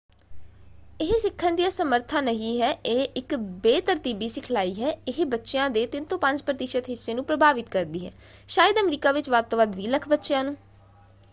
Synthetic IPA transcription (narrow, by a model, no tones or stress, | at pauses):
ɪɦsɪkʰːənd̪ijaːsəməɾt̪ʰãːnəɦĩːɦɛːʔeːʔɪkbeːt̪əɾt̪iːbiːsɪkʰlaːiːɦɛːɪɦbətːʃejãːd̪eːt̪ɪnt̪õːpə̃ɲd͡ʒpɾət̪ɪʃət̪ɦɪsːeːnũːpɾəbʱaːʋɪt̪kəɾd̪iːɦɛ̰ː | ʃaːjəd̪əmɾiːkaːʋɪt͡ʃʋaːd̪̚t̪õːʋəd̪ʋiːləkʰbətːʃjãːnũː